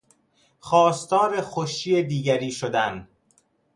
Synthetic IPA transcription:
xɒːst̪ɒːɾexoʃiːed̪iːɟæɾiːʃod̪æn

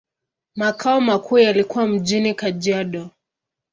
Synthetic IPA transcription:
makʰaɔmakʰuːjalikuwam̩ʄinikaʄiaɗɔ

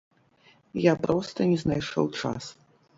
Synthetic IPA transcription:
japɾɔst̪ɐnʲɛznajʂɔ̰wt͡ʂa̰s

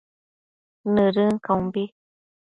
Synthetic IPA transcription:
nɨɾɨŋkaũmbi

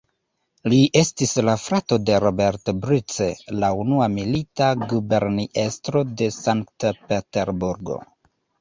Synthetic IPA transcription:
liʔe̞stislafɾato̞de̞ɾobe̞ɾtbɾit͡selaunuamilitaɡube̞ɾniʔe̞stɾo̞de̞saŋktpeteɾbuɾɡo̞̰

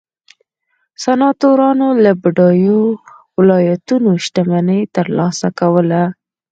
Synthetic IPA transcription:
sanɑt̪oɾɑnolabɪɖɑjo | wɪlɑjat̪unoʃt̪amanəjt̪əɾlɑsakawəla

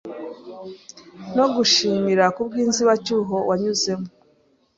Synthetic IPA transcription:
no̞ɡuʃiːmiɾakubɡiːnziβacuːɦo̞wʔaɲuze̞mo

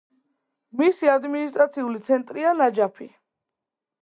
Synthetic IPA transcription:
misiad̪minist̪ʼɾat̪sʰiulit̪sʰɛnt̪ʼɾialad͡ʒapʰi

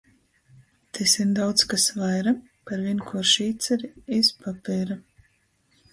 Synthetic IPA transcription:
t̪ʰesind̪awt̪skasvajɾa | paɾvʲinkʰuɔɾʃiːt̪sɛɾiispapʲɛːɾa

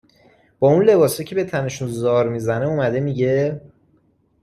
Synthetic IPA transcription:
b̥ɒːunle̞bɒːsɒcʰebe̞t̪ʰæne̞ʃunzɒːɾmizæneumæd̪emiɟe̞

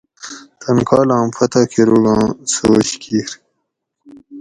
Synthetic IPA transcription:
t̪ʰɐnkɑːlɑ̃ːmfɐt̪akʰeɾuɡɑ̃ːsooɕkʰiːɾ

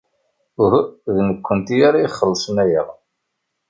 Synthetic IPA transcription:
ʊhðnəkʷːənt̪ijaɾaiχːəlːsˤənæjəʁ

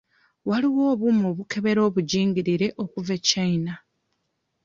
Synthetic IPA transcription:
waliwo̞ːβumoβukʰe̞βe̞ɾo̞ːβuɟiːŋɡiɾiɾe̞ʔo̞kuvecaina

